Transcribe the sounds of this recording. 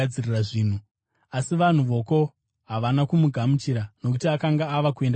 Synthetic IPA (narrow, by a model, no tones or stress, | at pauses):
d͡ziriraʐiːn̤u | asiʋan̤uʋo̞ko̞ | ɦaʋanakumuɡʱamut͡ʃiɾano̞k̬utiakaŋɡaːʋakue̞nda